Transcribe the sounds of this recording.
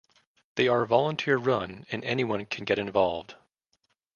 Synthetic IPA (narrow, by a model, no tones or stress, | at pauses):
ðeɪə˞vɑlˠə̃ntʰɪɹɹʌ̃nɨ̃nɛniwʌ̃nkʰɨ̃n̩ɡɛɾɨ̃ɱvɑlˠvd̥